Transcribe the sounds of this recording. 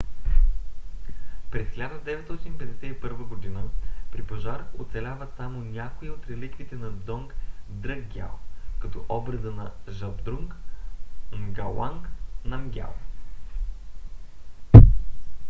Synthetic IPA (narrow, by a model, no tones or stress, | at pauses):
pɾɛsxlʲad̪əd̪ɛvɛt̪sɔt̪inpɛd̪ɛsɛipɤɾvəɡod̪inəpɾipɐʒaɾot̪sɛlʲavəsamonʲakoiot̪ɾɛlikvit̪ɛnɐd̪ɔŋkd̪ɾəɡɡʲa̰lˠkɐt̪ɔʔɔbɾəd̪ənɐʒɐbd̪ɾuŋk | mɡɐlˠa̰ŋknɐmɡʲa̰lˠ